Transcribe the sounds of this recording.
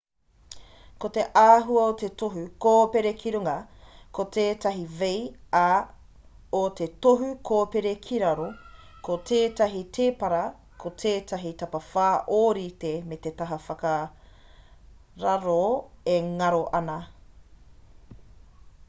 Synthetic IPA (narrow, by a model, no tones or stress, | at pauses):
kote̞ʔaːɦuɐot̪etoɦʉkoːpeɾekʰiɾuŋɐkot̪ʰeːtɐɦiveja | otetoɦukʰoːpeɾekʰiɾɐɾo | kotʰeːtɐɦit̪ʰeːpɐɾɐ | kʰot̪ʰeːtɐɦit̪ɐpɐfaːʔoːɾitemet̪etɐɦɐfɐkɐ | ɾɐɾoeŋɐɾoʔɐnɐ